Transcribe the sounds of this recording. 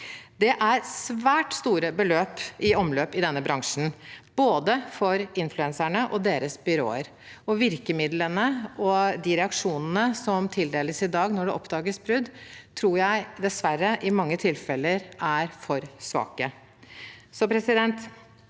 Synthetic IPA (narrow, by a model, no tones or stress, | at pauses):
d̪ɛʔæɾsʋæːʈst̪uːɾəbəløːpɪɔmløːpɪd̪ɛnːəbɾɑŋʂn̩b̥oːd̪əfɔɾɪnflʉɛnsæɳəʔɔd̪eːɾəsbʏɾo̰ːə̰ɾ | ɔʋɪɾkəmɪd̪lənəɔd̪ɪɾɛɑkʂuːnənəsɔmt̪ʰɪld̪eːləsɪd̪ɑːɡnɔɖɛʔɔpd̪ɑːɡəsbɾʉd̪t̪ʰɾuːɾjæɪd̪ɛsʋæɾːəʔɪmɑŋːət̪ʰɪlfɛlːəɾæɾfɔɾsʋɑ̰ːkə | sɔpʰɾɛsɪd̪ɛnt̪